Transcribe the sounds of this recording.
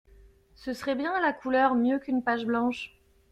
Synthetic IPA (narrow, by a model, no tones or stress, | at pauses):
səsəʁɛbjɛ̃alakulœʁmjøkynpaʒblɑ̃ʃ